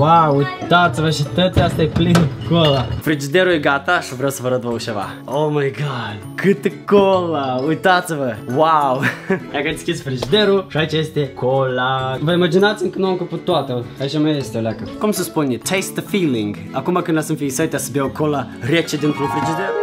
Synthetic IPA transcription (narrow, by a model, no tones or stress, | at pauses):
wawujt̪at̪sivəʃit̪ət̪east̪aeplinəkolafɾid͡ʒid̪eɾujeɡat̪aʃivɾawsəvəɾət̪vəuʃeva̰ | owmajɡad̪kʰɨt̪kolaujt̪at̪sivəwawd̪akəd̪skʲisʲfɾid͡ʒid̪eɾuʃait͡ʃajest̪ekʰolavəimad͡ʒinat̪sʲɨŋkənuamkəput̪ːoat̪əait͡ʃamajest̪eolakəkumsəspunʲet̪ʰejst̪əfiliŋɡ | akumakɨnasɨmfiisət̪easəbjawkolaɾʲet͡ʃed̪int̪ɾufɾid͡ʒid̪eɾu